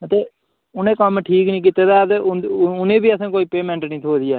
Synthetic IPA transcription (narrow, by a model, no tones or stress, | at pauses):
t̪eː | ʊnẽːkəmʈʰiːknĩːk̬iːt̪eːd̪aːt̪eʊʊnẽːbiːəsãːkoːiːpeːmɛ̃ːɳʈnĩːt̪ʰoːd̪ɪjaː